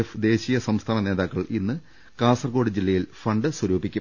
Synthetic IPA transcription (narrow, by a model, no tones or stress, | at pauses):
efd̪e̞ːɕijɐsɐmst̪ʰaːnɐne̞ːðaːkːɐɭʔinːɨ | kaːsɐrko̞ːɽɨd͡ʑilːɐjilfɐɳɖɨswɐɾuːbikʲːum